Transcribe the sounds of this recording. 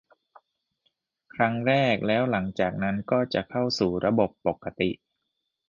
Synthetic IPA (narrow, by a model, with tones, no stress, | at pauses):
kʰɾa˦˥ŋɾɛː˥˩k̚lɛː˦˥wla˩˦ŋt͡ɕaː˨˩k̚na˦˥nkɔː˥˩t͡ɕa˨˩ʔkʰa˥˩wsuː˨˩ɾa˧bo˨˩pːo˨˩kʰːa˧t̪i˨˩ʔ